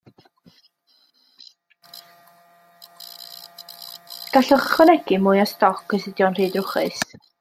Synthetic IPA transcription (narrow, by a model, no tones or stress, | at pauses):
ɡ̥aɬʊχχwənɛɡ̥ɪmʊjastɔkʰəsɪdjɔnr̥iːdrʊχɨs